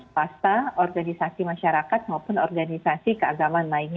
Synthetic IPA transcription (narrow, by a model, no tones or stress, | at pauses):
ast̪aɔrɡanisasimaʃaɾakat̪̚maupʊnɔrɡanisasikəaɡamanlain